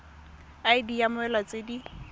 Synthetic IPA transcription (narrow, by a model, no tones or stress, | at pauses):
aɪdijamʊɛlat͡sʼedi